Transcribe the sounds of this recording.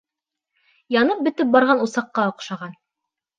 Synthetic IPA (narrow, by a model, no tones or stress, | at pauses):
jɑnɤp̚bɘ̆t̪ɘp̚bɑɾʁɑnusɑqːɑŏqʃɑʁɑn